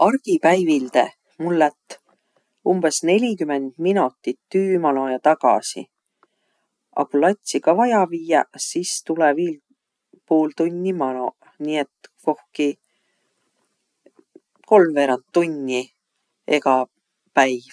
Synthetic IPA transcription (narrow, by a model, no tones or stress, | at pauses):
ɑrɡ̥ipæjvild̪e̞ | mulːɛt̪ːˑ | umb̥e̞sne̞lʲikyme̞nd̪̥minut̪ːit̪ːyːmɑno̞jɑt̪ɑɡ̥ɑ̰sḭ | ʔɑ̰kulɑt̪ʲsikɑvɑjɑviːjɑsist̪uleviːl | poːlt̪unʲːimɑno̞ | niːe̞t̪ko̞hki | ko̞lmve̞ɾɑnt̪ːunʲːi | e̞̰kɑ | pæjv